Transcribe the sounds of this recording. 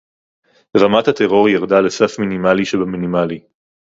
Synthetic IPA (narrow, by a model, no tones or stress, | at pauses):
ʁamat̪hat̪eʁo̞ʁijaʁd̪alesafminimaliʃebaminimali